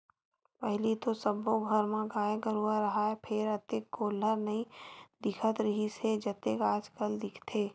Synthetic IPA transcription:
pɛɦlit̪osəbõɡʱəɾmãɡaːjeɡəɾuaɾɐɦaepʰɪɾət̪eːkːoːləɾnɐɦĩd̪ɪkʰət̪ɾɐɦised͡ʒət̪ekaːd͡ʒkəld̪ɪkʰt̪ʰeː

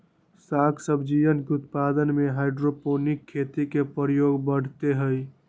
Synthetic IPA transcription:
sakʰsəbʱd͡ʒijənkeut̪̚pad̪ənmeɦaɪɖɾoponikʰːet̪ikepəɾjoɡbəɽ̤t̪eɦəj

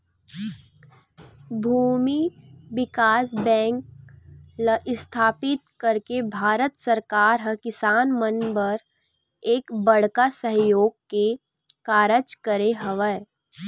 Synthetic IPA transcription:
bʱuːmiʋɪkaːsbɛ̃ːŋk | ləʔɪst̪ʰaːpɪt̪̚kəɾkebʱaːɾət̪səɾkaːɾɦəkɪsaːnmənbəɾ | eːkbəɽ̤kasəɦjoːɡ̚ke | kaːɾət͡ʃkəɾeɦəʋə

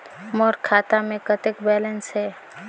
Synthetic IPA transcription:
mɔːɾkʰaːt̪amẽkət̪ɪkbɛːlənsɦɛː

